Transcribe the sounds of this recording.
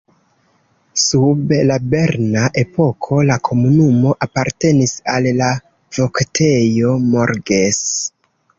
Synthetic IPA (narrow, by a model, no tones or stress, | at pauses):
sublabe̞ɾnaʔe̞po̞kʰo̞lakʰo̞munumo̞ʔapaɾte̞nisalla | vo̞ktʰe̞jo̞moɾɡes